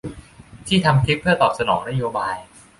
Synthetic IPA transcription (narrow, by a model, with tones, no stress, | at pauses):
t̪ʰiː˥˩t̪ʰa˧mkʰi˦˥pʰːɯ˥˩ɐt̪ɔː˨˩p̚sa˧nɔː˩˦ŋna˦˥joː˧baː˧j